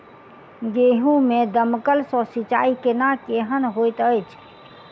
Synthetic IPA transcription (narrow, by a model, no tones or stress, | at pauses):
ɡeɦũmed̪əməkəlsɔ̃sit͡ʃaikenakeɦənɦojt̪əjt͡ʃʰ